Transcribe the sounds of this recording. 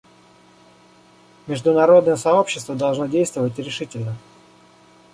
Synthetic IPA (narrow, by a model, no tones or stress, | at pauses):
mʲɪʐd̪ʊnɐɾo̞d̪nəjəsɐo̞pɕːɪst̪vəd̪ɐlˠʐno̞dʲejst̪vəvətʲɾʲɪʂɨtʲɪlʲnə